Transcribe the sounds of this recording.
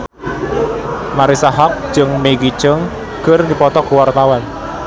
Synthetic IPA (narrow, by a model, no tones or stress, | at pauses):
maɾisaɦɔk̚d͡ʒɨŋmeɡi̥t͡ʃəŋ | ɡ̥ərd̪ipɔt̪ɔkuwart̪awan